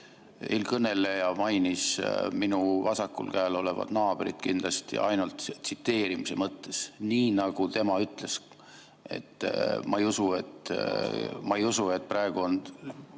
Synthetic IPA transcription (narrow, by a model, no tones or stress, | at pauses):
ḛlkɤne̞le̞jɑmɑjnisminuvɑsɑkːṵlkæːlo̞le̞vɑ̰d̪nɑːb̥ɾḭd̪̥̚kind̪lɑst̪ḭʔɑ̰jnult̪sit̪ːe̞ːɾimise̞mɤt̪ːe̞sniːnɑɡ̥ut̪e̞mɑyt̪ˑle̞s | e̞̰t̪ːˑmɑejusue̞t̪ː | mɑejusue̞t̪̚ːˑprɑe̞ɡ̥uo̞n